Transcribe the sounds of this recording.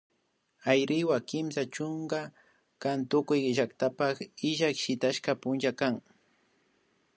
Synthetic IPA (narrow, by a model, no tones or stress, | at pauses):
ajɾɪwakɪmsat͡ʃʊŋɡa | kant̪ʊkʊjʒakt̪apakɪʒakʃɪt̪aʃkapʊnʒakaŋ